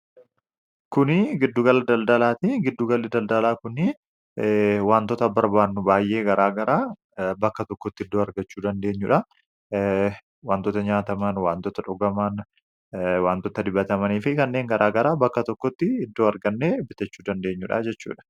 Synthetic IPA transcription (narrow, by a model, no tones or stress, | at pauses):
kʊnɪɡɪd̪ːuɡɐlːɐd̪ɐld̪ɐlaːt̪ɪɡɪd̪ːuɡɐlːɪd̪ɐld̪ɐlaːkʊnɪ | waːnt̪ɔt̪ɐbɐɾbaːnːʊbaːjʔe̞ːɡɐɾʔaːɡɐɾaː | bɐkːɐt̪ɔkːɔt̪ːɪɪd̪ːoːɐɾɡɐt͡ʃːuːd̪ɐnd̪e̞ːɲːʊᶑɐ | waːnt̪ɔt̪ɐɲaːt̪ɐmɐnwaːnt̪ɔt̪ɐᶑɔɡɐmɐn | waːnt̪ɔt̪ɐd̪ɪbːɐt̪ɐmɐniːfɪkɐnːe̞ːŋɡɐɾʔaːɡɐɾaːbɐkːɐt̪ɔkːɔt̪ːɪɪd̪ːoːɐɾɡɐnːeːbɪt̪ːɐt͡ʃːuːd̪ɐnd̪e̞ːɲːʊᶑɐ̰d͡ʒɛt͡ʃːṵːᶑɐ̥